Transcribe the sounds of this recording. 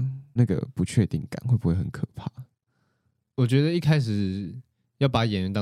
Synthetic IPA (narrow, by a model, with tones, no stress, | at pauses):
na˥˩ɡə̰˨˩pu˨˦t͡ɕʰɥɛ˥˧t̪i˥˩ŋka̰˨˦nxwpu˨˦xwe˥˩xə˧˦nkʰɤ˨˩pʰa˥˩ | wɔ˨˩t͡ɕɥɛ˧˥d̪ə˧i˥˩kʰa˥ɪʂ̬ɻ̩˨˩ | jɑ˥˩ʊpa˨˧˥jɛ˨˧˥ny˧nt̪ɑ˥